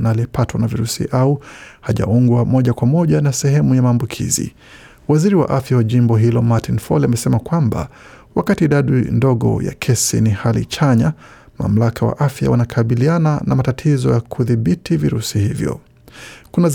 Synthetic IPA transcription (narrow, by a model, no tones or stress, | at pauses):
naliɛpatwanaviɾusḭʔauhaʄa̰uŋɡwamɔʄakwamɔʄanasɛɦɛmujamaːmbukʰḭzḭ | waziɾiwa̰ʔafjawaʄimbɔɦilɔmatinfɔ̰lamɛsɛmakwamba̰ | wakatiɗaɗindɔɠɔ̰ja̰kʰɛsḭnihalḭt͡ʃaɲama̰m̩lakawa̰ʔafja̰wanakʰaɓilianana̰matatʰizɔjakʰuðiɓitiviɾusihivjɔ̰ | kunaz